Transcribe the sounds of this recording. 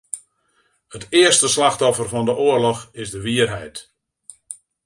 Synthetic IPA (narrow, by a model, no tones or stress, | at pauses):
hətɪərstəslaxtɔfərfɔndəʔoərlɔxɪsdəʋiərɦɛjt